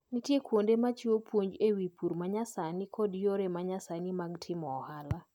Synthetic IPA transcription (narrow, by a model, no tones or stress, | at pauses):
nitjekwondemat͡ʃiopʰwoɲd͡ʒewipuɾmaɲasanikʰɔdjoɾemaɲasanimaɡtʰɪmɔːhala